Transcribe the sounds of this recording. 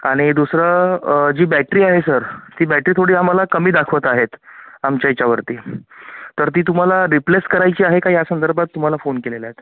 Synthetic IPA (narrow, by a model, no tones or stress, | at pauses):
aɽ̃id̪usɾəd͡ʑiːbæʈɾiːaɦesəɾt̪iːbæʈɾiːt̪ʰoɽiːam̤alakəmiːd̪akʰʋət̪aɦet̪amt͡ɕjajt͡ɕjaʋəɾt̪iːt̪əɾt̪iːt̪um̤alaɾipleskəɾajt͡ɕiːaɦekajasənd̪əɾbʱat̪ːum̤alafonkelelaet̪